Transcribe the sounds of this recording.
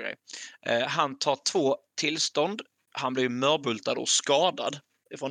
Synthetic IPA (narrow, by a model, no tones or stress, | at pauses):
ɛ̰j | ɦant̪ʰɑːʈʰv̥oːt̪ʰɪlst̪ɔnd̪ | hanblɪɾmœɾbɵlt̪ad̪ɔ̰skɑːd̪a̰d̪ | ɪfɾɔn